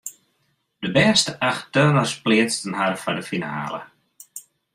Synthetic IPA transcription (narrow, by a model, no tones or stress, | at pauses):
dəbɛːstəʔaxtøːʋɔsplɪət͡stənɦaɾəfɔdəfina̰ːlə̰